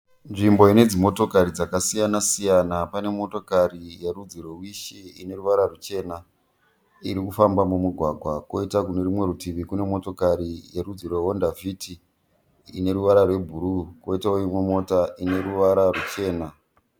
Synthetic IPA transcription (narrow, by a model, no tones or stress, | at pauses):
nʐimbo̞ine̞d͡zimo̞to̞kaɾid͡zakasijanasijanapane̞mo̞to̞karijerud͡zirwe̞wiʃiine̞ɾuʋaɾarut͡ʃe̞ːna | iɾikufambamumuɡʱwaɡʱwako̞itakune̞rimwe̞rutʰiʋikune̞mo̞to̞kaɾijerud͡zirweɦondavʱitʰi | ine̞ɾuʋaɾarwe̞bʱuɾuko̞itaoimwemo̞taʔine̞ɾuʋaɾarut͡ʃe̞ːna